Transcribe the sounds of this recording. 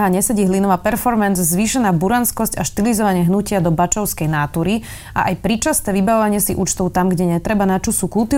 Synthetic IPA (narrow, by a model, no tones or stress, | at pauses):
ɦaɲɛsɛɟiːɦlinɔʋaːpɛɾfɔɾmɛnzzʋiːʃɛnaːbuɾanskɔscaʃt̪ilizɔʋaɲɪɛɦnucɪad̪ɔbat͡ʃɔʊskɛjnaːt̪uːɾi | ʔa̰ʔajpɾit͡ʃast̪ɛːʋibaʋɔʋaɲɪɛsiʔṵːt͡ʃt̪ɔʊt̪amɡɟɛɲɛt̪ɾɛbanat͡ʃusukult̪i